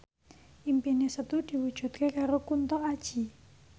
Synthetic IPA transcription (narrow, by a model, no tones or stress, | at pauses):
ʔimpinesət̪ud̪̥i̤wud̥ʒ̥ṳt̪̚kekaɾokunt̪ɔad̥ʒ̥i̤